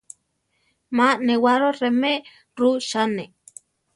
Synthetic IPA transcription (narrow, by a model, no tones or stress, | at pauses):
maʔnewaɾoreme | ɾuʃane